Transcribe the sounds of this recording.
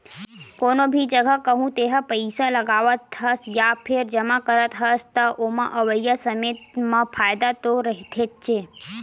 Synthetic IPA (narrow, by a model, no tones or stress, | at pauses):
konobʱid͡ʒəɡʱəkəɦũt̪eɦəpəɪsaləɡaʋət̪ɦəsjapʰɪɾd͡ʒəmakəɾət̪ɦəst̪əʔomãʔəʋəjːəsəmet̪mãpʰaːjd̪at̪oɾəɦit̪ʰet̪̚t͡ʃʰe